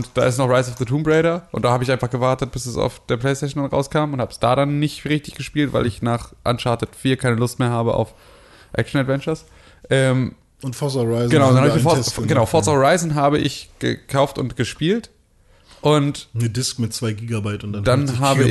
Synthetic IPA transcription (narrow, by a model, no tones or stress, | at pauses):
ʊntd̥a̰ːɪstnɔχʁ̥aɪsaʊfðətʰuːmbʁɛɪɾɐʔʊ̰ntd̥aːhaːbəɪçaɪnfaχɡ̥əvaɐtət̚b̥ɪsɛsa̰ʊfd̥eːɐpʰl̥ɛɪstɛːʃ̬n̩danʁa̰ʊskʰaːmʊnthaːbəsd̥a̰ːɾanːɪçtʁɪçtɪçɡ̥əʃpiːltv̥aɪlɪçnaːχʔa̰nʃaɐtətfiːɐkʰaɪnəlʊstmeːɐhɦaːbəʔa̰ʊf | ʔɛ̰k̚ʃn̩advɛnt͡ʃɐs | ʔɛːm | ʊntfɔsʁaɪzɡ̥ənaʊʊndanhaɪfɡɡənaʊfɔɐsoʁaɪzn̩ɦaːbəʔɪ̰çɡ̥ə̰kʰaʊftʊ̰ntɡ̥əʃpiːlt | ʔʊntnədɪskmɪtt͡sv̥aɪɡiːɡabaɪtʊnd̥ad̥anɦaːbəɪ